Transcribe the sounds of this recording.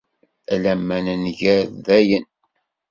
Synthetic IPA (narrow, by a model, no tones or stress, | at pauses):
ælæmːænænʝæðæjən